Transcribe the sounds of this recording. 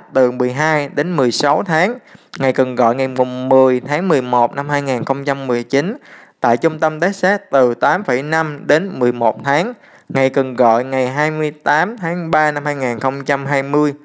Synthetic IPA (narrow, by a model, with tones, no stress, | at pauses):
t̪ɨ˨˩mɨ˨˩əjɦaː˧jɗe˨˦nmɨ˨˩əjsa˨˦wt̪ʰaː˨˦ŋŋa˨˩jkɨ˨˩ŋɣɔ̰˧˨jŋa˨˩jmu˨˩ŋmɨ˨˩əjt̪ʰaː˨˦ŋmɨ˨˩əjmo˨˩t̚na˧mhaː˧jŋaː˨˩nxə˧wŋ͡mt͡ɕa˧mːɨ˨˩əjt͡ɕi˨˦nt̪a̰ː˧˨jt͡ɕʊ˧ŋ͡mt̪ə˧mɗ̪ɛ˦˥k̚sɛ˦˥t̚t̪ɨ˨˩t̪aː˨˦mfə˧˩jna˧mɗe˨˦nmɨ˨˩əjmo˨˩t̚t̪ʰaː˨˦ŋ | ŋa˨˩jkɨ˨˩ŋɣɔ̰˧˨jŋa˨˩jɦaː˧jmɨ˧əjt̪aː˨˦mt̪ʰaː˨˦ŋɓaː˧na˧mhaː˧jŋaː˨˩nxə˧wŋ͡mt͡ɕa˧mɦaː˧jmɨ˧əj